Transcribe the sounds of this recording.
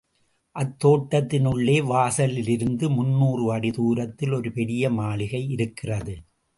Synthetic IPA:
ʔɐt̪ːoːʈːɐt̪ːɪnɯɭːeːʋaːsɐlɪlɪɾɯnd̪ɯmʊnːuːrɯɐɽɪðuːɾɐt̪ːɪlɔɾɯpɛɽɪjɐmaːɭɪɣɐɪɪɾɯkːɪrɐðɯ

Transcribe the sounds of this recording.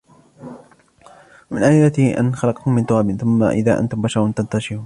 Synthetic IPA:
wamɪnʔaːʔɪlːat̪ɪʔa̰nxɑlɑqt̪ʊmːɪnt̪ˤʊɑːbɪnθʊmːa̰ʔɪ̰ðaːʔa̰nt̪ʊmbaʃɑɾˤʊnt̪ant̪aʃɪɾuːn

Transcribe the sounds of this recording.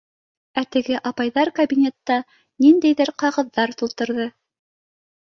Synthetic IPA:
æt̪ɘ̆ɡɘʔɑpɑjðɑɾkɐbʲinʲet̪ːɑ | nind̪æjðɘɾqɑʁɤ̆ðːɑɾt̪ulˠt̪ɤ̆ɾðɤ

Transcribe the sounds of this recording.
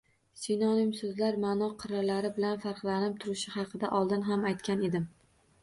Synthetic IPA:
sinɒnɪmsɵzlaɾmanɒqʰɨɾalaɾɪbɪlanfaɾqlˠanɪp̚t̪ʰʊɾɪʃɪhɑqʰɨd̪aʔɒlˠd̪ɪnɦamajt̪kʲane̞d̪ɪm

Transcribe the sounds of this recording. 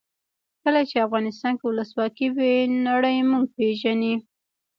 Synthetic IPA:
kəlat͡ʃeafɣɑnɪs̬t̪ɑnkewʊləswɑkiwenaɽəjmuɡ̚peʒani

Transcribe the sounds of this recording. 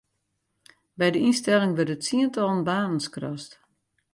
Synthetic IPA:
bɛjdəinstɛlˠɪŋʋɪrtətsiəntɔlˠənbaːnən̩skrɔ̰st

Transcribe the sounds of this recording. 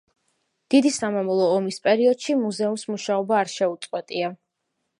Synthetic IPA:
d̪̥id̪isamamɔlˠɔːmispʼɛɾiɔd̪̥ʃimuzɛumsmuʃaɔbaːɾʃɛut̪sʼqʼwɛt̪ʼia

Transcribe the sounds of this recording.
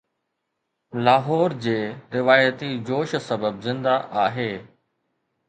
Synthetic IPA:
laːɦɔːɾd͡ʑeːɾɪʋaːjət̪id͡ʑoːʃsəbəbzɪ̃nd̪aʔaːɦeː

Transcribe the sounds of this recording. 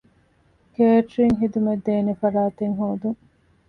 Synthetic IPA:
keːʈɾiŋɦid̪umed̪ːeːnefɐɾaːt̪eŋɦuːd̪uŋ

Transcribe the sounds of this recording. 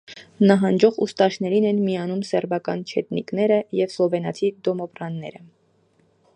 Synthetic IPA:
nɑɦɑnd͡ʒɔʁṵst̪ɑʃnɛɾinɛnmiɑnumsɛɾbɑkɑnt͡ʃʰɛt̪nḭknɛɾəjɛvslɔvɛnɑt̪ʰid̪ɔmɔpɾɑnːɛ̰ɾə

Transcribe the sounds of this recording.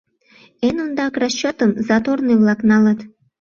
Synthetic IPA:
enond̪ɑkrɑt͡ɕːot̪əmzɑt̪orneβlɑknɑlət̪

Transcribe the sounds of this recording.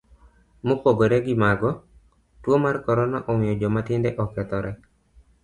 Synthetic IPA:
mopoɡoɾɛɡɪmaɡɔ | twomarkɔɾɔnaʔɔmɪjɔd͡ʒɔmatɪndɛʔɔkɛt̪ɔɾʔɛ

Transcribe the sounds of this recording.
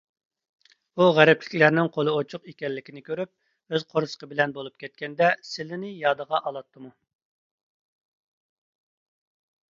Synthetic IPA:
uʁæɾɛplɪ̥kʲlæɾnɪŋqʰolˠɨot͡ʃʰʊqekʲɛlːɪkʲinɪkʲøɾyp̚ | øz̥qʰoɾsə̥qʰəbɪlɛnbolˠup̚kʲʰɛt̪̚kʲɛnd̪ɛsɪlɪnɪjɑːd̪əʁɑʔɑlˠɑt̪ʰːɨmu

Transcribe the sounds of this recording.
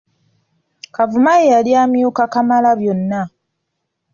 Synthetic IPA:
kavumajejaljamjuːkakamalaβjo̞nːa

